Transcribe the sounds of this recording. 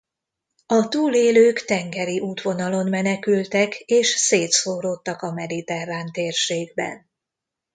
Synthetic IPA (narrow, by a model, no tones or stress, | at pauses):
ɒt̪uːleːløːkt̪ɛŋɡɛɾiʔuːt̪ʋo̞nɒlo̞nmɛnɛkylt̪ɛkeːʃseːt̪soːɾoːt̪ːɒkɒmɛd̪it̪ɛrːaːnt̪eːrʃeːɡbɛ̰n